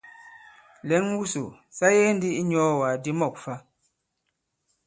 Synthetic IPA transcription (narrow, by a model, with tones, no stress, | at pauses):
lɛ˨˦ŋwu˦su˨sa˦jɛ˦n̩˦di˦ʔi˦ɲɔ˦wa˨di˦mɔ˦˨k̚fa˦